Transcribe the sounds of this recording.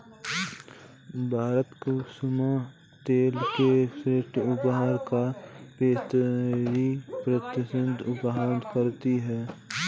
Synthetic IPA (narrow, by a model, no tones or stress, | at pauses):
bʱaːɾət̪kosʊma | t̪eːlkepʰɾeːʈʊbɦaɾkapeːt̪ɾipɾət̪ɪsənd̪ʊbɦankəɾt̪iɦɛː